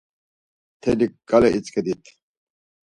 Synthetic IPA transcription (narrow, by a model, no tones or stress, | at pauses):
t̪ʰenikɡɐleʔit͡sked̪it̪ʰ